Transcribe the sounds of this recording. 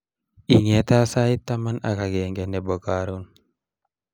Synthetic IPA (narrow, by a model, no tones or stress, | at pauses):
iŋɛt̪asait̪ːamana̰kaɡɛŋɡɛnɛbəkaɾun